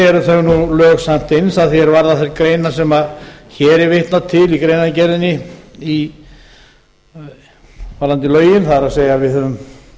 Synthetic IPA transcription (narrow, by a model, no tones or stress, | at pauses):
ɛɾθœɣnulœːɣsam̥t̪ɪnsaðθiɛɾvaɾðaθɛlkɾeːjnasɛmaðçɛɾɛɾvɪht̪nat̪ʰːɪlikɾeːjnacɛɾðɪnːɪi | falant̪ɪlœːɥjɪnθaɾaðseːjavɪðhœvʏm